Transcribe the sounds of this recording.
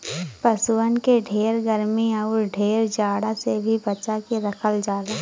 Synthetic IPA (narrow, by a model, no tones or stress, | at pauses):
pəswənkeɖʱeːɾɡəɾmiɐʊɾɖʱeːɾd͡ʒaːɽasebʱibət͡ʃakeɾɐkʰəld͡ʒaːɾaː